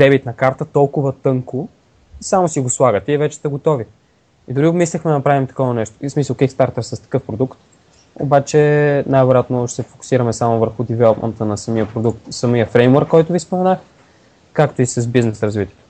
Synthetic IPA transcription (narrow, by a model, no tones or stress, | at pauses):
d̪ɛbit̪nɐkaɾt̪ət̪ɔlˠkʊvət̪ɤŋko | isamosiɡoslˠaɡət̪ɛivɛt͡ʃɛ̥st̪ɛɡot̪ɔvi | id̪ʊɾimislʲixmɛd̪ənɐpɾavimt̪ɐ̥kɔvɐnɛʃt̪o̥smisəlˠkikst̪aɾt̪əɾsɐst̪ɐ̥kɤfpɾod̪ukt̪ | o̰bat͡ʃɛnajvɛɾjat̪noʃɛ̥sɛfokʊ̥siɾəmɛsamovəɾxʊd̪ivɛlˠopmʔɛ̰nt̪ənɐsɐmiəpɾod̪ukt̪sɐmijəfɾɛjmwəɾkːɔjt̪ʊvispomɛnax | kakt̪oisɐzbiznɛsɾɐzvit̪iɛt̪